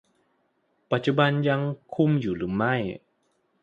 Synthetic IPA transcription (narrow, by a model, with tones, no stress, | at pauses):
pa˨˩t̪̚t͡ɕu˧˩ba˧nja˧ŋkʰu˧mjuː˨˩ɾɯː˩˦ma˥˩j